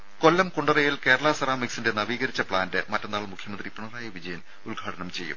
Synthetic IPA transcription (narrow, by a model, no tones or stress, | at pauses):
ko̞lːɐmkuɳɖɐrɐjilke̞ːɾɐɭɐsɐɾaːmiksinde̞nɐʋiːɣɐɾit͡ɕːɐpɭaːndɨmɐtːɐnːaːɭmukʰjɐmɐnd̪ripuɳɐraːjɐʋid͡ʑɐjɐn | ulɡʱaːʈɐnɐmt͡ɕe̞jːṵm